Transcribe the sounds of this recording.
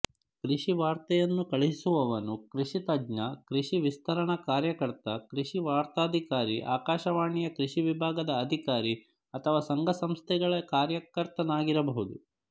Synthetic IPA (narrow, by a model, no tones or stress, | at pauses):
kɾiʂiʋaːɾt̪ɐjɐnːukɐɭiɦisuʋɐʋɐnukɾiʂit̪ɐɡɲɐkɾiʃiʋist̪ʰɐɾɐɳɐkaːɾjɐkɐɾt̪ɐkɾiʂiʋaːɾt̪aːd̪ʱikaːɾiʔa̰ːkaːʃɐʋaːɳijɐkɾiʃiʋibʱaːɡɐd̪ɐːd̪ʱikaːɾi | ɐt̪ʰɐʋaːsɐŋɡʱɐsɐmst̪ʰɛɡɐɭɐkaːɾjɐkɐɾt̪ɐnaːɡiɾɐbɐɦud̪u